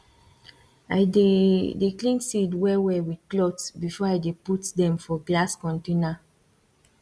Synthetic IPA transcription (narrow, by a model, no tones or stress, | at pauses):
ajdedeklĩnsidwɛwɛwidklɔtsbifɔajdeputdɛ̃mfɔɡlaskɔ̃ntena